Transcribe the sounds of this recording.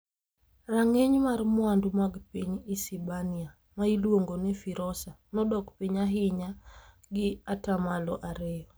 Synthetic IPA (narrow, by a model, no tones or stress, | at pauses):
raŋeɲmarmʊandumaɡpiɲisibania | mailwoŋɡonɛfiɾɔsa | nɔdɔkpiɲaɦɪɲa | ɡɪatamalɔʔaɾɛɔ